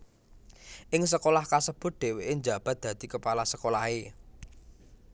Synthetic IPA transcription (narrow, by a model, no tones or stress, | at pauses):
ʔɪŋsəkolahkasəb̥ʊ̤t̪̚d̪̥e̤weʔɪɲd͡ʒa̤b̥a̤t̪̚d̪̥ä̤d̪̥i̤kəpalasəkolahe